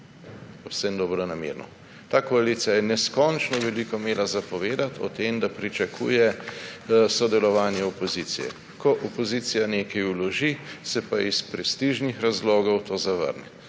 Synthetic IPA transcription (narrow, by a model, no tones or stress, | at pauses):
pɔwsɛmd̪ɔːbɾɔnamḛːɾnɔ̰ | t̪aːkoalit̪sijajɛnɛskɔnt͡ʃnɔʋɛlikɔmeːlazapɔʋeːd̪at̪ʰɔ̰t̪emd̪apɾit͡ʃakʰṵːjɛ | sɔd̪ɛlɔʋaːnjɛɔpɔziːt̪sḭjɛ̰ | kɔʔɔpɔziːt̪sijaneːkajulɔʒisɛpaispɾɛst̪iʒnixɾazloːɡɔwt̪oːzaʋə̰ɾnɛ